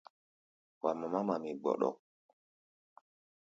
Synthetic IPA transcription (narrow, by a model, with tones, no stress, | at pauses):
wa˨mːa˨ma˦ma˨mi˨ɡ͡bɔ̰˨ɗɔ̰˦˨